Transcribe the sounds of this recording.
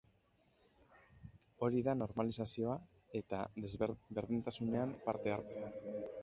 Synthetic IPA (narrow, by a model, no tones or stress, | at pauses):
o̞ɾiðano̞ɾmalisasio̞a | e̞t̪a | be̞ɾðint̪asune̞ampaɾt̪e̞aɾt͡sea